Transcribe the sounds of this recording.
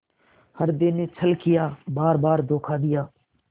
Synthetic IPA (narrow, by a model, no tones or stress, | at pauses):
həɾd̪ɪneːt͡ʃʰəlkɪjaːbaːɾbaːɾd̪oːkʰaːd̪ɪjaː